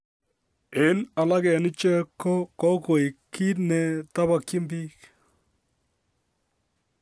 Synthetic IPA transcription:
e˨na˨la˦kɛ˨nɪ˦t͡ʃɛ˦kːɔ˦kɔ˦ko˨i˨kʰːi˦tnɛ˨ta˦ba˨kɪ˦mbi˦k

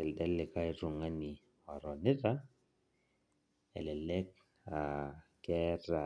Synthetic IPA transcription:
ɛ˨ldɛ˦lɛ˨ka˦iɾʊ˨ŋa˦ni˨ | ɔ˨ɾɔ˨nɪ˦ɾa˦ | ɛ̰˨lɛ˨lɛ˦k̚ | a˨kɛ˦ɾa˨

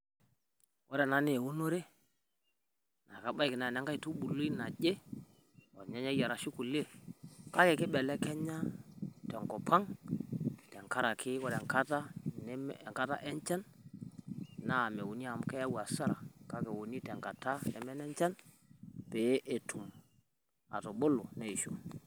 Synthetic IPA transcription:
wʔɔ˦ɾɛ˨na˦ne˨wu˦no˦ɾe˦ | na˨ka˨ɓa˦i˨kɪ˨na˨nɛ˨˦ŋɡa˦i˨tu˦ɓu˨lo˦i˦na˨ʄe˦ | ɔ˨ɲɛ˦ɲɛ˦ja˨ɾa˨ʃi˦ku˨le˦˨ka˦kɛ˨kɪ˦ɓɛ˨lɛ˦kɛ˦ɲa˦tɛ˨ŋkɔ˨pʰa˦ŋ | tɛ˨ŋka˦ɾa˨kʰɪ˦kɔ˦ɾɛ˨ŋka˦ta˦n˦˨ŋka˦ta̰˦ʔɛ˦nt͡ʃɛ˦n | na˦˨mɛ˨wo˨ni˦a˨m˦kɛ˦a˦wa˨sa˦ɾa̰˨ka˦kɛ˨wo˨ni˦tɛ˨ŋka˨ta˦nɛ̰˨mɛ˦nɛ˦ɲt͡ʃɛ˦n | pɛ˨˦ʔe˨tʰu˨m | a̰˨to˨ɓo˦lo˨nɛ˦˨i˨ʃo̰˨

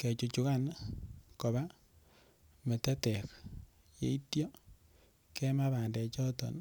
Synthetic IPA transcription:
ke˨t͡ʃu˨t͡ʃu˨ka˦nko˨βa˦ | me˨tɛ˦tɛ˨k | jḛ˨˦i˦tjɔ˦ | kɛ˦ma˦βa˨ndɛ˨t͡ʃɔ˦tɔ̰˨n

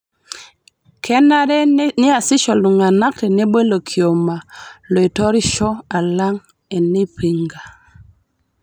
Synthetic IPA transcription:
kʰɛ˦na˦ɾɛ˦ni˦a˨si˦ʃɔ˨lu˨ŋa˨na˦ktɛ˨ne˦be˦lo˨kʰi˨o˨ma˨lɔ˨i˨tɔ˦ɾi˦ʃɔ˦a˨la˦ŋ | ɛ˨ni˦pi˨ŋɡa˨

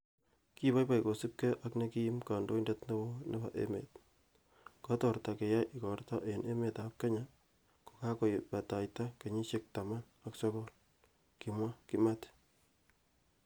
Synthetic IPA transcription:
ki˦ba˦jpa˨iko˨si˦p̚kɛ˦ʔakne˦ki˦i˦mka˨ndo˦indɛtne˦bo˦ne˦ba̰˨ʔḛ˦mḛ˨t̚ | kɔ˦tɔ˨rta˨ke˨ja˦jʔikɔ˨rta˦ʔenʔe˦me˨tap̚ke˦ɲa | ko̥˨ka˦ko˨pa˨ta˨jta˦ke˨ɲi˦ʃe˦k̚ta˨ma˦n | aksɔ˦kɔ˦l | ki˨mwa˦ki˦ma˦t

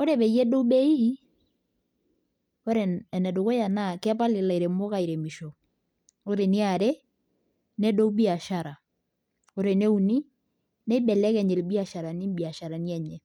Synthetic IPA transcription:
o˦ɾɛ˨bɛ˨jɛ˦do˦bɛ˦i˦ | o˦ɾɛ˨ɛ˨nɛ˨do˨ko˦ja˨na˦˨kɛ˦pa˦lɪ˨la˨i˨ɾe˨mo˦ka˦˨i˨ɾɛ˨mi˨ʃo˨ | o˦ɾe˨ni˦a˨ɾe˦ | nɛ˦do˦u˦bi˦a˨ʃa˨ɾa˨ | o˦ɾe˨ne˦u˨ni˦ | nɛ˦i˦bɛ˨lɛ˦kɛ˨ɲɛ˨lbi˦a˨ʃa˨ɾa˨ni˦mbi˨a˨ʃa˨ɾa˨ni˦ɛ˨ɲɛ˨

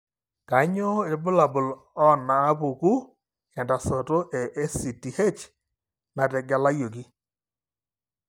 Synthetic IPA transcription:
ka˨˦ɲo˦e˨˦bʊ˦la˨bʊ˨l | ɔ˦˨naː˨˦po˨ku˦ | ɛ˨nda˨sɔ˨to˦ʔɛ˨ʔe˦si˨ti˨he˦t͡ʃ | na˨tɛ˨ɡa˦la˦jo˨ki˦

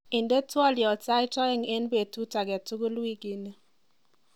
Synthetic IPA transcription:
ɪ˨nde˦twɔ˦ljɔ˨ta˦ɪ˦tɔ˦ɪ˦ŋe˦nbe˨tu˦ta˨ɡɛ˨tu˦ɡu˦lwi˦ɡi˨ne˦

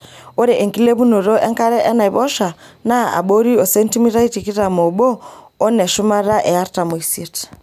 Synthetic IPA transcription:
o˦ɾɛ˨ʔe˨ŋki˦le˦βu˦nu˨ɾɔ˦ʔɛ˦ŋka˦ɾɛ˦ʔɛ˦na˨i˨βɔ˦ʃa˨na˦a̰˨ɓo˦ɾi˦ɔ˨se˦n˦ti˦mi˦ɾa˦i˦ti˨ki˦ɾa˨mo˨bɔː˦ | nɛ˨ʃu˦ma˦ɾa˦ʔɛ˨a˦ɾta˨mo˨i˨si˨t

